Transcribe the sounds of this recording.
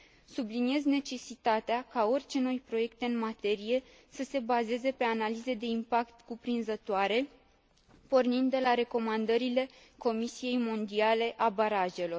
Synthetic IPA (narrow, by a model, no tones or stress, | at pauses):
sublinie̞zne̞t͡ʃe̞sit̪at̪eakao̞rʲt͡ʃe̞no̞jpɾo̞je̞kt̪e̞ɨnmat̪e̞ɾije̞ | səse̞baze̞ze̞pe̞analize̞d̪e̞impakt̪kupɾinzət̪oaɾe̞ | po̞rnind̪ːe̞laɾe̞ko̞mand̪əɾile̞ | ko̞misije̞jmo̞nd̪iale̞ʔabaɾaʒe̞lo̞r